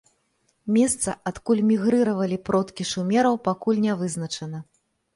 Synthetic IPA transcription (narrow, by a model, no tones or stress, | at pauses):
mʲɛst̪sɐ̰ʔat̪kulʲmʲiɣɾɨɾɐvɐlʲipɾɔt̪kʲiʂumʲɛɾɐwpakulʲnʲavɨznɐt͡ʂɐn̪ɐ